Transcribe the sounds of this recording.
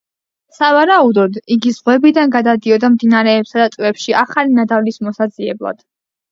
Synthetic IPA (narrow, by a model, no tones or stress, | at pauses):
savaɾaud̪ɔd̪iɡizʁwɛbid̪anɡad̪ad̪iɔd̪amd̪inaɾɛːpsad̪at̪ʼvɛpʃiʔaχalinad̪avlismɔsaziɛblˠa̰d̪̥